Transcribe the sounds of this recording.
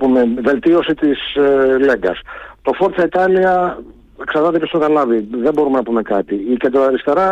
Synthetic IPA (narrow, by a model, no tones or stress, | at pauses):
pumeve̞lt̪io̞sit̪isle̞ŋɡɐ̰st̪o̞fo̞ɾt̪sɐit̪ɐliɐ | ksɐɾðɐt̪epçosɐnɐlɐviðe̞bo̞ɾume̞nɐpume̞kɐt̪iiced̪ɾoɐɾist̪e̞ɾɐ